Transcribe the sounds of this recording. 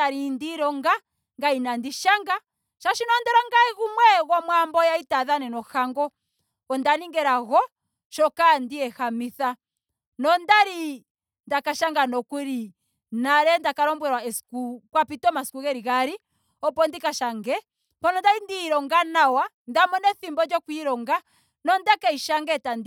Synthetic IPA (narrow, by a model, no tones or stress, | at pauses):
aɾindiɾɔŋɡa | ŋɡainandiʃaŋɡa | ʃaʃinɔndɛɾɔŋɡaiɣumwɛɣɔmwambɔjaitaðanɛnɔxaŋɡɔ | ɔndaniŋɡɛɾaɣɔ | ʃɔkandiɛhamiθa | nɔndaɾi | ndakaʃaŋɡanɔkuɾi | naɾɛndakaɾɔmbwɛɾwaɛskukwapitɔmaskuɣɛɾiɣaɾi | ɔpɔndikaʃaŋɡɛ | pɔnɔndaɾindiɾɔŋɡanawa | ndamɔnɛθimbɔd͡ʒɔkwiɾɔŋɡa | nɔndakɛiʃaŋɡɛtand